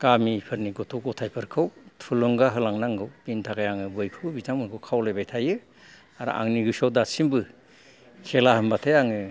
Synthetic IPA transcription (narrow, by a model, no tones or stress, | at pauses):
kamipʰɯɾniɡɔtʰɔwɡɔtʰajpʰɯɾkʰɯwtʰulɯŋɡaɦɯlaŋnaŋɡɯwpintʰaɡajaŋɯbɯjkʰɯwbizamɯɡʰɯwkʰawlajbajtʰajɯ | aɾ̰ʔa̰ŋniɾusɔwdasimbɯ | kʰelaɦɯmbatʰajaŋɯ